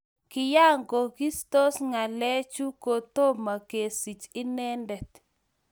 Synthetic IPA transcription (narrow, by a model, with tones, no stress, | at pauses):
kɪ˨ja˦ŋɡo˨ɡi˦st̪o˦sŋa˨lɛ˦t͡ʃu˦ko˨t̪o˦ma˨ke˨si˨t͡ʃɪ˦nɛ˦ndɛ˨t̪